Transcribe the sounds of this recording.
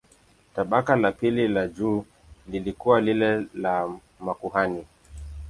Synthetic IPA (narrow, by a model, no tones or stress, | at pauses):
taɓakalapililad͡ʒuː | lilikuwalilɛla | makuɦani